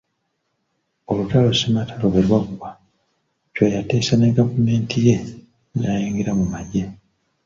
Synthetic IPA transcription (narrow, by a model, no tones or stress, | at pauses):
o̞lutalosimatʰaloβeɾwaɡuβa | cwajate̞ːsane̞ɡavume̞ːntʰije̞ | najiːŋɡeɾamumaɟe